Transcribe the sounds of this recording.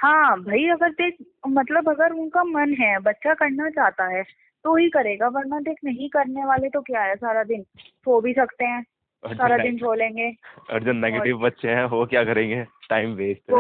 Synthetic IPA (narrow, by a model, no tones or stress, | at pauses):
hãːbʱaiɐɡəɾd̪eːk̚ʰ | mɐt̪ləbɐɡəɾʊnkamɐnɦɛbɐtːʃakɐɾnat͡ʃaːɦt̪aɦɛː | t̪oɦikɐɾeːɡabɐɾnad̪eːkʰnɐɦĩkɐɾneʋaːlet̪okjaːɦɛsaːɾad̪ɪnsʰoːbʱisɐkt̪eɦɛ̃ː | ɔsaːɾad̪ɪnʈʰoːlẽːŋɡeːɐ̰ɾd͡ʒənːɛɡɡeːʈɪʋbɐtːʃeɦɛ̃ʋokjaːkɐɾẽːŋɡeːʈaːɪmbeːsʈ